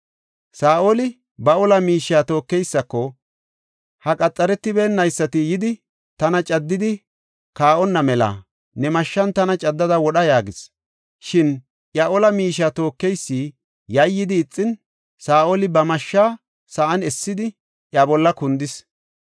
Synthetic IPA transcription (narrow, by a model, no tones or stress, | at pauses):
saːʔolɪ | bɐɔlɐmiːʃaːt̪o̞ːkːɛjsːɐkːɔ | hɐkʼɐt͡sʼːɐɾɛt̪ːɪbeːnːɐjsːɐt̪ɪjɪd̪ɪ | t̪ɐnɐt͡ʃʼɐd̪ːɪd̪ɪ | kaːʔɔnːɐmɛlɐ̰ | nɛmɐʃːɐnt̪ɐnɐt͡ʃʼɐd̪ːɐd̪ɐwɔɗɐjaːɡɪs | ʃɪn | ʔjɐʔɔlɐmiːʃ̬aːt̪o̞ːkːɛjsːiː | jɐjːɪd̪ɪːt͡sʼːɪn | saːʔoːlɪbɐmɐʃːaː | sɐʔɐnɛsːɪd̪ɪ | ʔjabɔlːɐkʊnd̪ɪs